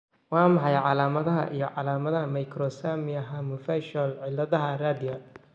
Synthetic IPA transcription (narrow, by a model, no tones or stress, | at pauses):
wɑːmɑħɑjʕɑlaːmɐðɐɦɐ̰ʔḭjɞʕɑlaːmɐðɐɦɐmɐjkʰɾɔsamɪjɐɦɐmɔfɛʃɔlʕɪlɐðɐɦɐraːd̪ɪjɐ